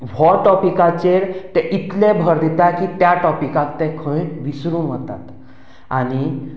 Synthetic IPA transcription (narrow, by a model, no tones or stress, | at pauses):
ʋɔʈɔpikat͡ɕeɾt̪ɛʔit̪lebʱəɾd̪et̪akit̪jaʈɔpikãkt̪ɛ̃kʰə̃jʋisɾuːnʋət̪a̰t̪ | a̰ñi